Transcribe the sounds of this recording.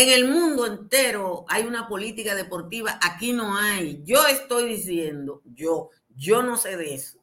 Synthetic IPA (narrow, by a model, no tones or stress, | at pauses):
eŋe̞lmũnd̪oe̞nt̪e̞ɾo̞ajunapo̞lit̪ikaðe̞po̞ɾt̪iβaʔakino̞ajʝo̞e̞st̪o̞jðisje̞nd̪o̞ʝo | ʝo̞no̞se̞ðeeso̥